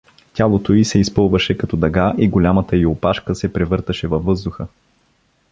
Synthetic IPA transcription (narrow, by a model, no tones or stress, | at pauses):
tʲalˠot̪oisɛispɤlˠvəʃɛkɐt̪ɔd̪ɐɡaʔiɡolʲamət̪əiopaʃkəsɛpɾɛvɤɾt̪əʃɛvɐvːɤzd̪ʊxə